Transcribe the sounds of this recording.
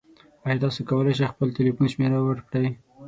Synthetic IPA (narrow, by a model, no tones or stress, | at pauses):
ajɑd̪ɑsokawəlejʃ̬ejxpəlt̪elifunʃmeɾawəɾkɽaj